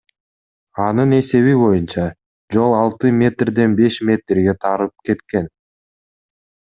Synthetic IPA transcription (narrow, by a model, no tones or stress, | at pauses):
ɑnɯne̞se̞βiβo̞junt͡ʃɑ | d͡ʒo̞lˠɑlˠt̪ɯmʲe̞t̪rd̪e̞nbe̞ʃmʲe̞t̪rɡe̞t̪ʰɑɾɯp̚ke̞t̪ke̞n